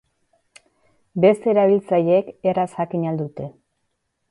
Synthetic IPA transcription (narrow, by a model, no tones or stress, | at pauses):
be̞st̪e̞ɾaβ̞ilt͡saje̞kerashakiɲald̪ut̪e̞